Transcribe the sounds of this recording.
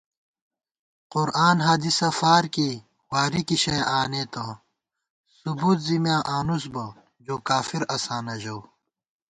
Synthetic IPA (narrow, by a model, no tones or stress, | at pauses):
qʊɾʔaːnɦaːd̪isɐfaːɾki | waːɾikiɕejʔaːnet̪ɐ | subuːt̪zimjãːʔaːnus̬bɐ | d͡ʑoːkaːfiɾɐsaːnɐʑɐw